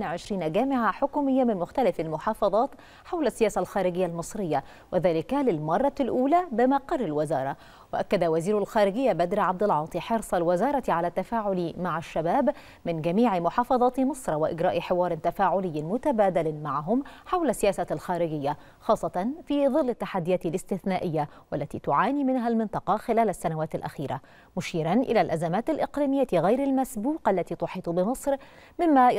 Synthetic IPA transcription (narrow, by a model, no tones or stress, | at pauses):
nʕɪʃɾiːnaɡaːmɪʕaħʊkuːmɪjːamɪnmʊxt̪alɪfalmʊħɑːfɑðˤɑːt̪ | ħawlasːɪjaːsalxaːɾɪɡɪjːalmɨsˤɾɪjːa | wʔɪðaːlɪkalɪlmɑrˤːɑlʔuːlabɪmɑqːɑrˤːɪlwɪzɑːɾˤɑ̰ | wɪʔakːad̪awaziːɾʊalxaːɾɪɡɪjːabad̪ɾiʕab̚d̪ɪlʕɑːt̪ˤiħɑɾsˤɑlwɪzɑːɾˤɑt̪ʕalat̪ːafaːʕʊlimaʕaʃːabaːb | mɪnd͡ʒamiːʕɪmʊħɑːfɑðˤɑːt̪mɨsˤɾˤwɪʔɪ̰ɡɾɑːʔħɪwɑːɾˤɪt̪afaːʕʊlɪjːɪmʊt̪abaːd̪alɪmaʕɦʊmħawlasːɪjaːsalxaːɾɪɡɪjːa | xɑːsˤːɑt̪ˤɑnfiːðˤɨlːat̪ːaħad̪ːɪjaːt̪ɪlɪst̪ɪθnaːʔɪjːa | walːat̪ḭːt̪ʊʕaːniːmɪnɦalmɪnt̪ˤɑqɑxɪlaːlasːanawaːt̪alʔa̰xiːɾa̰ | mʊʃiːɾanʔɪ̰laːlʔazamaːt̪alʔɪqliːmɪjːat̪ɣajɾalmasbuːqʔalːat̪iːt̪ʊħiːt̪ˤbɪmɨsˤɾ | mɪmːa